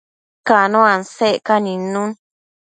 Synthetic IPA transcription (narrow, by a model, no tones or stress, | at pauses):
kanõanseʔkanĩnũn